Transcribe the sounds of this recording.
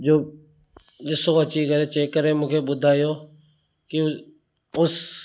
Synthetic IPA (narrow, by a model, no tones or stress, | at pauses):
d͡ʒoː | ɗɪsoɐt͡ɕikɐɾet͡ɕeːkəɾemũːkʰeːɓʊd̪ʱaːjoː | kɪ | ʊs